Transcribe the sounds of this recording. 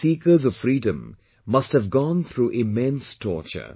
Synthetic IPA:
siːkəzɔv̥fɾiːdə̃mː | ʌsthəvɡɔ̃nθʰɾuːʔɪmɛ̃nstʰɔ̰ːɹt͡ʃə̰

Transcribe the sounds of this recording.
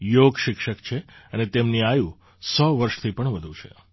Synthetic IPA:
joɡʃɪkʃəkt͡ʃʰeənet̪emniajũ | sɔʋəɾʃt̪ʰipəɳʋəd̪ʱũt͡ʃʰḛ

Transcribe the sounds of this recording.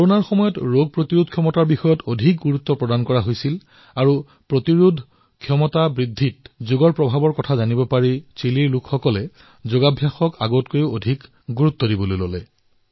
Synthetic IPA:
kɔɹonaɹxɔmɔjɔtɹoɡ̚pɹotiɹudʱkʰjɔmɔtaɹbixɔjɔtodʱik̚ɡuɹut̪ːɔpɹɔdankɔɹaɦojsil | aɹu | pɹotiɹudʱ | kʰjɔmɔtabɹidʱːit̚zuɡɔɹpɹɔbʱabɔɹkɔtʰazanibɔpaɹit͡ʃiliɹlʊkʰxɔkɔlɛ | zoɡabʱjaxɔkaɡotkojoodʱik | ɡuɹut̪ːɔdibɔlojlolɛ

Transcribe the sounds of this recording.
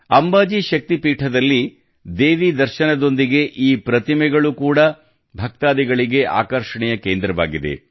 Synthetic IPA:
ɐmbaːd͡ʒiʃɐk̚t̪ipiːʈʰɐd̪ɐlːi | d̪eːʋid̪ɐɾʃɐnɐd̪o̞nd̪iɡe̞ʔiːpɾɐt̪imɛɡɐɭukuːɽɐ | bʱɐk̚t̪aːd̪iɡɐɭiɡe̞ʔa̰ːkɐɾʂɐɳɛjɐkeːnd̪ɾɐʋa̰ːɡid̪ḛ

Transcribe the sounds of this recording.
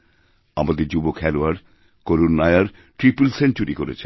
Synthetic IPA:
amad̪eɾd͡ʑubokʰɛloaɾ | koɾunːajaɾ | ʈɾipulsent͡ɕuɾikoɾḛt͡ɕʰe

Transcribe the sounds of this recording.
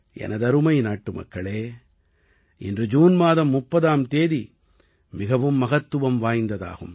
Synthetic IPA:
ʔɛ̰nɐðɐɾɯmɐɪnaːʈːɯmɐ̰kːɐɭeː | ʔɪ̰ndrɯd͡ʒuːnmaːðɐmːʊpːɐðaːmt̪eːði | mɪɣɐʋɯmːɐɣɐt̪ːɯʋɐmʋaːjnd̪ɐða̰ːɣɯm

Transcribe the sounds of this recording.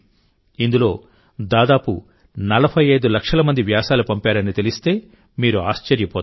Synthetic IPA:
ind̪ulo̞ː | d̪aːd̪aːpu | nɐlɐpʰɐjɐjd̪ulɐkʂɐlɐmɐnd̪iʋjaːsaːlupɐmpaːɾɐnit̪elist̪e̞ː | miːɾuaːʃt͡ʃɐɾjɐpɔː

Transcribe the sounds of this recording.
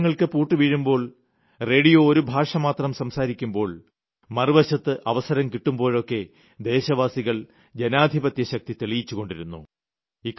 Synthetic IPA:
ŋːɐɭkɨpuːʈːɨʋiɻumbo̞ːɭ | re̞ːɽijooɾubʱaːʂɐmaːt̪rɐmsɐmsaːɾikʲːumbo̞ːɭ | mɐrɨʋɐɕɐt̪ːɨʔɐʋɐsɐɾɐmkiʈːumbo̞ːɭokːe̞ | d̪e̞ːɕɐʋaːsiɣɐɭ | d͡ʑenaːd̪ʱibɐt̪jɐɕɐk̚t̪it̪eɭijit͡ɕːuɣo̞ɳɖiɾunːṵ | ik

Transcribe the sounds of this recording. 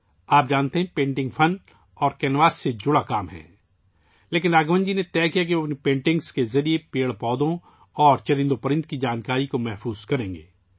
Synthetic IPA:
aːp̚d͡ʒaːnt̪eɦɛ̃pẽːɳʈɪ̃ŋɡfʰɐn | ɔːɾkɛːnʋaːsːed͡ʒʊɽakaːmɦɛ̰̃ː | leːkɪnaːɡʋə̃nd͡ʒinet̪ɛːkijak̬ionpẽːɳʈɪ̃ŋɡskezɐɾiepeːɭpɔːd̪õ | ɔːɾt͡ʃɐɾɪ̃nd̪opɐɾɪ̃nd̪̚kid͡ʒaːnkaːɾikomɛɦfuːz̥kɐɾẽːŋɡḛː

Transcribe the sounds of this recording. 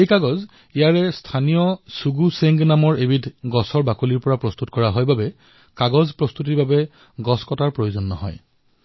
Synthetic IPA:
ejkaɡɔz | ijaɹɛstʰanijɔsuɡuseŋɡnamɔɹebitʰɡɔsɔɹbakoliɹpɔɹapɹɔst̪utkɔɹaɦɔjbabɛ | kaɡɔzpɹɔst̪ut̬iɹbabɛ | ɡɔskɔtaɹpɹojozɔnːɔ̰ɦɔ̰j

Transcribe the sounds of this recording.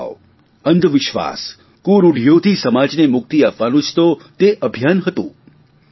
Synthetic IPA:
ənd̪ʱʋɪʃʋa̰s | kuɾuɽ̤ʱjod̪ʱisəmad͡ʒnemʊk̚t̪iapʋanũt͡ʃʰt̪ot̪eʔəbʱjanɦət̪ṵ̃

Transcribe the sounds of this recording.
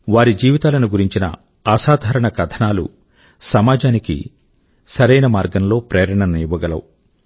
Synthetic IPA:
ʋaːɾid͡ʒiːʋit̪aːlɐnuɡuɾiɲt͡ʃinɐ̰ | aːʃaːd̪ʱaːɾɐɳɐkɐt̪ʰɐnaːlṵ | sɐmaːd͡ʒaːnikḭ | sɐɾɐjnɐmaːɾɡɐmlo̞ːpɾeːɾɐɳɐniːʋɐɡɐlɐ̰wu

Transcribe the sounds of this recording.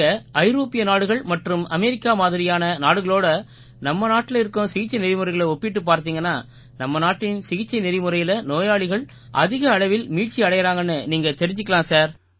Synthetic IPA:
ɐɐɪɾoːpːɪjɐnaːɽɯɣɐɭmɐʈrɯmɐmɛɾɪkːaːmaːðɪɾɪjaːnɐnaːɽɯɣɐɭoːɽɐ | nɐmːɐnaːʈːɪlɪɾɯkːʊ̃sɪɣɪt͡ʃːɐɪnɪɾɪmɯɾɐɪɣɐɭɐɔpːɪʈːɯpːaːɾt̪iːŋɡɐnːaː | nɐmːɐnaːʈːɪnsɪɣɪt͡ʃːɐɪnɪɾɪmɯɾɐjɪlɐnoːjaːɭɪɣɐɭ | ʔɐ̰ðɪɣɐːɭɐʋɪlmiːʈ̚t͡ʃiɐɽɐjɐɾaːŋɡɐnːɯniːŋɡɐt̪ɛɾɪɲd͡ʒɯkːɐɭãːsaːɾ

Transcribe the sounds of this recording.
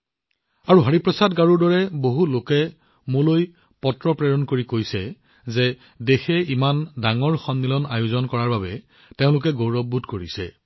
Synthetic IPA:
aɹuɦaɹipɹɔsadɡaɹuɹdɔɹɛboɦulokɛ | moloj | pɔtɹɔpɹɛɹɔnkoɹikojsɛ | zɛ | dexɛimandaŋɔɹxɔnːilɔna̰jʊzɔnkɔɹaɹbabɛ | teʊ̃lʊk̬ɛɡowɹɔbʱudkoɹisɛ̰

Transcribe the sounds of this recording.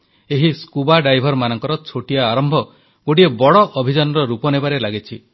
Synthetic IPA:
eɦiskubaɖajbʱɔɾmanɔŋkɔɾɔt͡ʃʰoʈiaːɾɔmbʱɔ | ɡ̥oɽiebɔɽɔʔɔbʱid͡ʒanɔɾɔɾupɔnebaɾelaɡit͡ʃʰi

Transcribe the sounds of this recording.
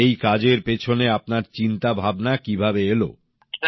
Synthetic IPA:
ejkad͡ʑeɾpet͡ɕʰoneap̚naɾt͡ɕint̪abʱabnakibʱabeelo̰

